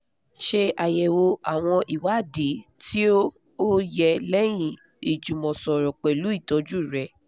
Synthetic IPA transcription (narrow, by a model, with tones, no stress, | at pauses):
ʃe˧ʔa˨jɛ˨wo˧ʔa˨w̃ɔ̃˧ʔi˨wa˨˦˨di˨˦tʰi˦o˦ | o˦jɛ˧lɛ˦j̃ĩ˦˨ | i˨d͡ʒũ˨mɔ̃˨sɔ˨ɾɔ˨k͡pɛ˨lu˨˦i˦˨tɔ˨˧˦d͡ʒu˦˨ɾɛ˧˦